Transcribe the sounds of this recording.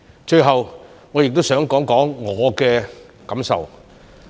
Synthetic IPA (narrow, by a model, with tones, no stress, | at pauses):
t͡ʃɵ˧ɥɦɐ˨wŋɔː˨˧jɪ˨k̚t̪o˥wsœː˨˥ŋkɔː˨˥ŋkɔː˨˥ŋːɔː˨˧kɛː˧ | kɐ˨˥msɐ̰˨w